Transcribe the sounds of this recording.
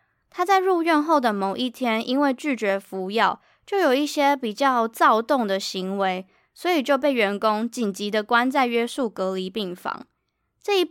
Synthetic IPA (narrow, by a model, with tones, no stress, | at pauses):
t̪ʰa˥t͡sa˥˧ɪɻu˥˧ɥɛ˥˧nxo˥˩ʊd̪ə˨mo˨˩ʊʔi˥˩t̪ʰjɛ˥ni˥nwe˥˧ɪt͡ɕy˥˩t͡ɕɥɛ˧˥fu˧˥˦jɑ˥˨ʊ | t͡ɕjo˥˩ʊjo˨˩i˥˩ɕjɛ˥pi˨˩t͡ɕjɑ˥˧ʊt͡sɑ˥˧ʊt̪ʊ˥˩ŋd̪ə˨ɕi˧˥ŋwe˧˦ɪ | swɔ˧˥i˨˩t͡ɕjo˥˧ʊp̬e˥˩ɪɥɛ˧˥nkʊ˦˥ŋt͡ɕi˨˩nt͡ɕi˨˥d̪ə˨kwa˦˥nt͡sa˥˩ɪɥɛ˥su˥˩kɤ˧˥li˧˥pi˥˩ŋfɑ̰˧˥ŋ | ʈ͡ʂɤ˥˧i˥